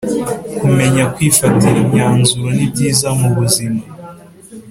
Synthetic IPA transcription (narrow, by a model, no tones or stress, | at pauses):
kume̞ɲakwiːfatiɾimɲaːnzuɾonib̚ɟiːzamuβuzima